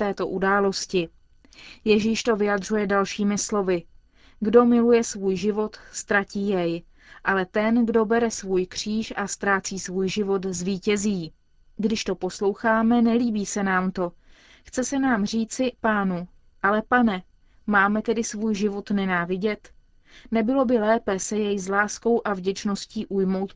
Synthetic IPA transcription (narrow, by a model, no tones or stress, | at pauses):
t̪ɛːt̪o̞ʔudaːlo̞scɪ | jɛʒiːʃt̪o̞vɪjad̪r̝ujɛdalʃiːmɪslo̞vɪ | ɡdo̞mɪlujɛsvuːjʒɪvo̞t̪st̪ɾaciːjɛj | ʔalɛt̪ɛnɡdo̞bɛɾɛsvuːjkr̝̥iːʃʔast̪ɾaːt͡siːsvuːjʒɪvo̞t̪zviːcɛziː | ɡdɪʃt̪o̞po̞slo̞wxaːmɛnɛliːbiːsɛnaːmt̪o̞ | xt͡sɛsɛnaːmr̝iːt͡sɪpaːnu | ʔalɛpanɛ | maːmɛt̪ɛdɪsvuːjʒɪvot̪nɛnaːvɪɟɛt̪ | nɛbɪlo̞bɪlɛːpɛsɛjɛjzlaːsko̞wʔavɟɛt͡ʃno̞sciːʔujmo̞wt̪̚